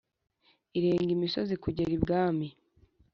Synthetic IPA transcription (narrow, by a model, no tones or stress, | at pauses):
iɾe̞ːŋɡimiso̞zikuɟeɾibɡaːmi